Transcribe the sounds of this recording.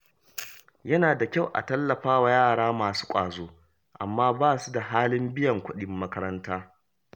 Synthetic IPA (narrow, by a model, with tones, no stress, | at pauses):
jɐ˦naː˨da˨kʲa˦˨wʔa̰˨tɐ˦lːɐ˨ɸaː˦wa˨jaː˦˨ɽaː˦maː˨su̥ː˦kʷʼa̰ː˨zoː˦ | ʔa˨mːaː˦baː˦˨su˦da˨ɦaː˦lɪ˦mbɪ˦jɐ˨ŋkʷʊ˦ɗɪ˨mːɐ˦kɐ˦ɾɐ˦ntaː˦